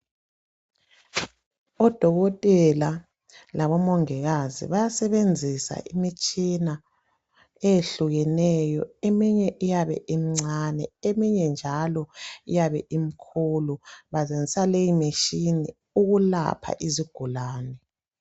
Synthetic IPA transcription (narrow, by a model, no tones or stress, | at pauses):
ɔd̥ʱɔɣɔtʼɛla | laβɔmɔŋɛɣazḭβajasɛβend͡zʱisa̰ʔimit͡ʃʼina | ejeɬuɣɛnɛjɔ̰emiɲɛʔijaβɛ̰ʔimiŋ͡ǀanɛemiɲɛnd͡ʒʱalɔijaβɛʔimikʰuluβazend͡zʱisalejimeʃini | uɣula̰pʰa̰ʔiziɡ̥ʱulaːnɛ